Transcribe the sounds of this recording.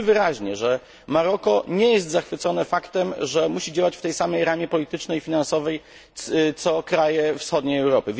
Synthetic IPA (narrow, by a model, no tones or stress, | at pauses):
vɘɾaʑɲɛʐɛ | maɾɔkɔɲɛjɛst̪zaxfɘt̪sɔnɛfakt̪ɛmʐɛmuɕid͡ʑawat͡ɕft̪ɛjsamɛjɾamʲjɛpɔlʲit̪ɘt͡ʂnɛjfʲinansɔvɛj | t̪sɔkɾajɛfsxɔd̪ɲejɛwɾɔpɘvʲ